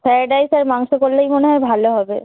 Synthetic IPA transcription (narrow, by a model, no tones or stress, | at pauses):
pʰɛɾaɖajsaɾmaŋʃokolːejmoneɦɔebʱaloɦɔbe